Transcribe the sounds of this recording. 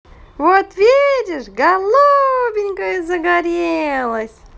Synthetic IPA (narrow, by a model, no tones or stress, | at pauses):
vot̪vʲidʲɪʂɡɐlˠubʲɪnʲkəjzəɡaɾʲelˠəsʲ